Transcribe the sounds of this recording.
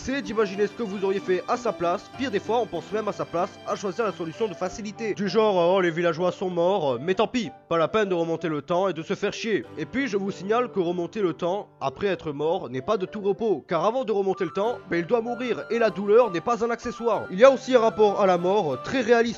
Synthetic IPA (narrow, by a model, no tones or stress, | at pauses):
sɛd̪imaʒinesə̥kəvuzɔʁjefɛʔasaplaspiʁd̪efwaɔ̃pɑ̃smɛmasaplasaʃwaziʁlasɔlysjɔ̃d̪əfasilit̪ed̪yʒɑ̃ʁɔlevilaʒwasɔ̃mɔʁmɛt̪ɑ̃pipalapɛnd̪əʁəmɔ̃t̪elət̪ɑ̃ed̪əsəfɛʁʃjeepɥiʒəvusiɲalkəʁəmɔ̃t̪elət̪ɑ̃apχɛɛt̪χəmɔʁnɛpad̪ət̪uʁəpokaʁavɑ̃d̪əʁəmɔ̃t̪elət̪ɑ̃bɛild̪wamuʁiʁelad̪ulœʁnɛpazɛ̃nakseswaʁilijaosiɛ̃ʁapɔʁalamɔʁt̪χɛʁealist̪